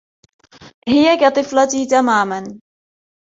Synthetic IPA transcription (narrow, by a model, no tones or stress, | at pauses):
hɪjakat̪ˤɨflɑt̪it̪amaːman